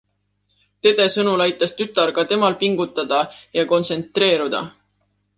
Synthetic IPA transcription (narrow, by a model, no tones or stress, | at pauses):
t̪e̞d̪̥e̞sɤnulɑjt̪ːˑɑst̪yt̪ːˑɑɾkɑt̪e̞mɑlpiŋɡ̥ut̪ːˑɑd̪̥ɑjɑko̞nt̪se̞nt̪ˑre̞ːɾud̪̥ɑ̰